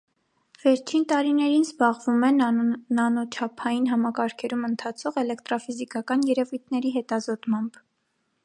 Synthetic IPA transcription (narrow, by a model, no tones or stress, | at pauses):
v̥ɛɾt͡ʃʰint̪ɑɾinɛɾinzbɑʁvumɛnnɑnɔt͡ʃʰɑpʰɑjinɦɑmɑkɑɾkʰɛɾumənt̪ʰɑt͡sʰɔʁɛlɛkt̪ɾɑfizikɑkɑnjɛɾɛvujt̪̚ʰnɛɾiɦɛt̪ɑzɔt̪mɑmb